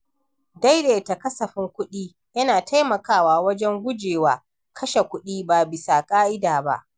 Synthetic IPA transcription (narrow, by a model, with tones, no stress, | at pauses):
da˦jɾeː˨ta˨kɐ˦sɐ˨ɸɪ˦ŋkʷʊ˦ɗiː˦ | jɐ˦naː˨tʰa˦jmɐ˨kaː˦˨waː˨wɐ˦d͡ʒɛ˦ŋɡʷʊ˦d͡ʒeː˨waː˨ | kʰɐ˦ʃe˨kʷʊ˦ɗiː˦ba˨bɪ˨sa˨kʼaː˦ʔɪ˦daː˨ba̰˦ʔ